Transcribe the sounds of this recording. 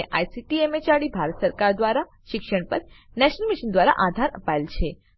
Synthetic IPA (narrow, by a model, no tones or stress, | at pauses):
eʔajsiʈiemet͡ʃaɽibʱaɾət̪səɾkaɾd̪ʋaɾa | ʃɪkʃəɳpəɾ | nɛʃnəlmiʃənd̪ʋaɾa̰ʔad̪ʱaɾəpaelt͡ʃʰe